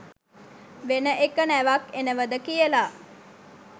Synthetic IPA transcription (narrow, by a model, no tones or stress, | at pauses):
ʋenəʔekənæʋakenəʋəd̪əkijəla